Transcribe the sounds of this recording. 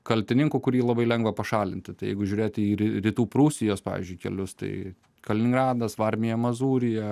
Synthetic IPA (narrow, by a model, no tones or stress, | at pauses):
kɐlʲt̪ʲɪnʲɪŋkʊkʊɾʲiːlˠɐbɐɪlʲɛŋɡʋɐpɐʃɑːlʲɪnʲt̪ʲɪt̪ɐɪjɛ̰ɪɡʊʒʲuːɾʲeːt̪ʲɪiːɾʲɪɾʲiːt̪uːpɾuːsʲɪjoːspɑ̰ːʋʲḭzʲd͡ʒʲʊɪkʲɛ̰lʲʊst̪ɐ̰ɪ | kɐlʲɪnʲɪŋɡɾɑːd̪ɐsʋɐɾʲmʲɪjɛmɐzuːɾʲɪjɛ